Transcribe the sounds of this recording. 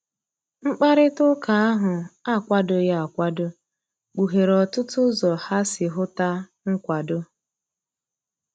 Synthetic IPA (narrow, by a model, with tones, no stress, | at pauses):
ŋ͡m̩˦k͡pa˦ɾɪ˦tʊ˦ka˨a˦ɦʊ˨a˦˨kʷa˦dʊ˨ja˦a˨kʷa˦dʊ˦ | k͡pu˨ɦe˨ɾɔ˨tʊ˦tʊ˦zɔ˨ha˦sɪ˨ɦʊ˦ta˦ | ŋ̩˦kʷa˨dʊ˦